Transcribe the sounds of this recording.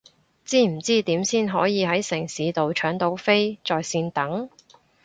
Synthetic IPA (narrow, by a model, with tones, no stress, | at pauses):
t͡siː˥m̩˨˩t͡siː˥t̪iː˨˥msiː˥nɦɔː˨˥jiː˨˧ɦɐ˨˥jsɪ˨˩ŋsiː˨˥t̪o˨wt͡ʃʰœː˨˥ŋt̪o˨˥wfe˥jt͡sɔː˨jsiː˧nt̪ɐ˨˥ŋ